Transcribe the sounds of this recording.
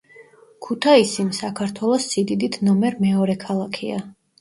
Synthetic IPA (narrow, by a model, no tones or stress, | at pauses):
kʰut̪ʰaisinsakʰaɾt̪ʰwɛlˠɔsːid̪id̪it̪ʰnɔmɛɾmɛɔɾɛkʰalˠakʰia̰